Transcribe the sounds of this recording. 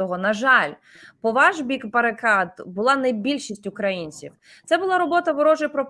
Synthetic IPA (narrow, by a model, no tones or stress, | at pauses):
ɔɦɔnɐʒɑlʲ | pɔʋɑʒbʲikpɐɾekɑd̪bʊlˠɑnɐjbʲilʲʃisʲtʲʊkɾɐjinʲt͡sʲḭw | t̪sɛbʊlˠɑɾɔbɔt̪ɐʋɔɾɔʒɪpɾɔp